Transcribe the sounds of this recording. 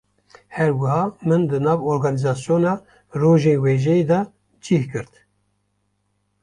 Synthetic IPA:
hɛɾwɨhɑːmɨnd̪ɨnɑːvoɾɡɑːnizɑːsjoːnɑː | roːʒeːnweːʒɛjed̪ɑ | d͡ʒihkɨɾt̪

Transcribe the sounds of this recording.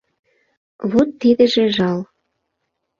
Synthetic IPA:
βot̪ːid̪ə̆ʒĕʒɑl

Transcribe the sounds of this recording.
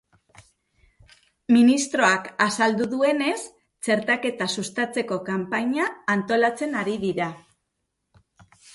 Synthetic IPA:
minist̪ɾo̞akasald̪uðue̞ne̞s | t͡se̞ɾt̪ake̞t̪asust̪at͡se̞ko̞kampaɲaːnt̪o̞lat͡se̞naɾiðiɾa

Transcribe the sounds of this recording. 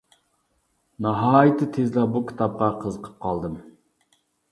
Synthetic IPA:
nɑɦɑːjɨt̪ʰːɨt̪ʰezlˠɑbukʲʰi̥t̪ʰɑp̚qɑqʰəzəqʰə̥p̚qʰɑlˠd̪ɨm

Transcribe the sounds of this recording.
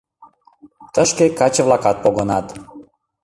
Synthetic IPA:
t̪əʃkekat͡ɕevlˠakat̪̚pɔɡɔnat̪

